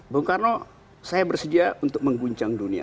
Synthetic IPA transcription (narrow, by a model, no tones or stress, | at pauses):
boŋkarno | sajabərsədiaʔunt̪ʊk̚məŋɡuɲt͡ʃaŋdunia̰